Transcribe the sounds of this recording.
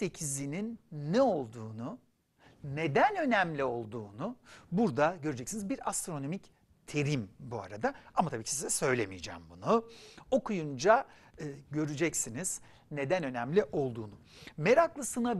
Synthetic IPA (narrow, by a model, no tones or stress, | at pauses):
se̞cʰizininːɛo̞lˠd̪uːnu | ne̞d̪ænø̞næmlʲio̞lˠd̪uːnubuɾd̪aɟø̞ɾyd͡ʒɛcsinizbiɾa̰st̪ɾo̞no̞mic | t̪ʰe̞ɾimbua̰ɾad̪aamat̪ʰabiːcʰisizɛsø̞jlʲe̞mijd͡ʒæ̰ːmbunuo̞kʰujund͡ʒa | ɯːɟø̞ɾyd͡ʒɛcsiniz̥ | ne̞d̪ænø̞næmlʲiʔo̞lˠd̪uːnume̞ɾaklˠɯsɯna